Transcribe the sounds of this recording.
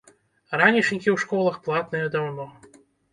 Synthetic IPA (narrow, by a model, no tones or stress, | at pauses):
ɾanʲit͡ʂnʲikʲiwʂkɔlˠɐxplˠat̪̚nɨjɐd̪awnɔ